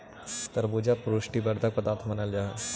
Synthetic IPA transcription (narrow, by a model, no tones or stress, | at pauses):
t̪ɐɾboːd͡ʒapɾoːʃʈibɐɾd̪ɐk̚pɐt̪aːt̪ʰmɐnəld͡ʒaːɦ